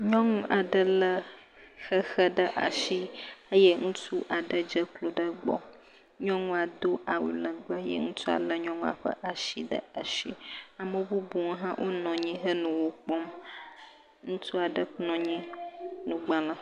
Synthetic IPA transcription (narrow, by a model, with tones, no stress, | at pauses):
ɲɔ̃˦ŋũ˦ʔa˨ɖə˦lə˦ | xə˦xə˦ɖə˦ʔa̰˨ʃi˦ə˦jɛ˦ŋũ˦tʰu˦ʔa˨ɖə˦d͡ʒə˦klo˨ɖə˦ɡ͡bɔ̰˦ | ɲɔ̃˦ŋũ˦a˨d̪o˦a˨wṵ˨lə˨ɡ͡ba˦jɛ̰˦ŋũ˦t̪ʰu˦a̰˨lə˦ɲɔ̃˦ŋũ˦a̰˨ɸə̰˦ʔa˨ʃi˦ɖə̰˦a˨ʃi˦a˨mə˦bu˦bu˨ŋ˦ɦã˦wʔo˦nɔ̃˨ɲĩ˦ɦə˦nũ˨wo˦k͡pɔ˦m | ŋũ˦tʰu˦a˨ɖə˦k͡pnɔ̃˨ɲĩ˦nũ˨ɡ͡ba˨lə˨